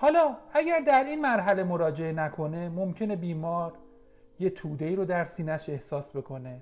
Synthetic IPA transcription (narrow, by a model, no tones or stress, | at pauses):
hɒːlɒːæɟæɾd̪æɾiːnmæɾɦæle̞mo̞ɾɒːd͡ʒe̞enækʰo̞ne̞momcʰe̞ne̞biːmɒːɾ | je̞t̪ʰuːd̪e̞iːɾod̪æɾsiːnæʃe̞hsɒːsbe̞kʰo̞ne̞